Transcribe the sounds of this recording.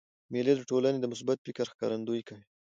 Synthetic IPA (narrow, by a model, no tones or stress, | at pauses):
meled̪əʈolaned̪əmʊs̬bat̪̚fɪkaɾxkɑ̰ɾand̪ujkawi